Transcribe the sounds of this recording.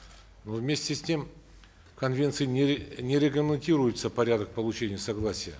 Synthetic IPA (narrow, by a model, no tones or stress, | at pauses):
novmʲesʲtʲɪsʲtʲe̞m | kɐnvʲe̞nt̪sɨjɪnʲnʲɪɾʲɪkləmʲɪnʲtʲiɾʊjɪt̪səpɐɾʲad̪ək̚pəlˠʊt͡ɕenʲɪjəsɐɡlˠasʲɪjə